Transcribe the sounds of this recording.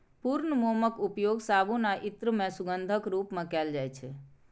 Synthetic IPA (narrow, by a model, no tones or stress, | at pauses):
puɾnəmoməkupjoɡsabunaʔit̪ɾəmẽsuɡənd̪ʱəkɾupmẽkɛld͡ʒajt͡ʃʰɛ